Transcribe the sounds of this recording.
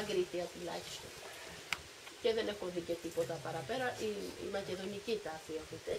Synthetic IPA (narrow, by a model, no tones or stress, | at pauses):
ŋɡɾit̪iɐt̪ulɐ̰çi̥st̪o̰n | ce̞ðe̞ne̞xunðice̞t̪ipo̞t̪ɐpɐɾɐpe̞ɾɐʔiḭmɐce̞ðo̞nicit̪ɐfiexut̪e